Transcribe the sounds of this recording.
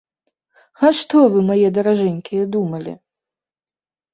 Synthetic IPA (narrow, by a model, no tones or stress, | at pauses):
haʂt̪ɔvɨmajɛd̪ɐɾaʐɛnʲkʲijɛd̪umɐlʲḭ